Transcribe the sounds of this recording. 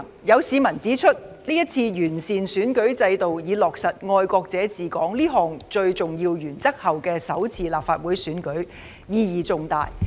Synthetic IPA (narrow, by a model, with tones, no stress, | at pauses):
jɐ˨˧wsiː˨˧mɐ˨˩nt͡siː˨˥t͡ʃʰɵ˥t̚ | liː˥jɐ˥t̚t͡sʰiː˧jyː˨˩nsiː˨nsyː˨˥nkɵ˨˥ɥt͡sɐ˧jt̪o˨wjiː˨˧lɔː˨k̚sɐ˨t̚ŋɔː˧jkɔː˧k̚t͡sɛː˨˧˥t͡siː˨kɔː˨˥ŋliː˥ɦɔː˨ŋt͡ʃɵ˧ɥt͡sʊ˨ŋjiː˧wjyː˨˩nt͡sɐ˥k̚hɐ˨wkɛː˧sɐ˨˥wt͡sʰiː˨laː˨p̚faː˧t̚wuː˨˥jsyː˨˥nkɵ˨˥ɥ | jiː˧jiː˨t͡sʊ˨˧ŋt̪a̰ː˨j